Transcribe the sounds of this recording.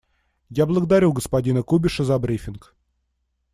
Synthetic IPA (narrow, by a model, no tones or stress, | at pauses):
jablˠəɡəd̪ɐɾʲuɡəspɐdʲinəkubʲɪʂəzɐbɾʲifʲɪnk